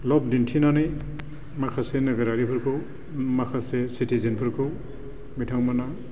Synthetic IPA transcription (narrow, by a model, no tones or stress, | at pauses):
lɔb̚dintʰinanɯj | makʰasenɯɡeɾaɾipʰɯɾkʰɯw | makʰasesitʰizinpʰɯɾkʰɯw | bitʰaŋmana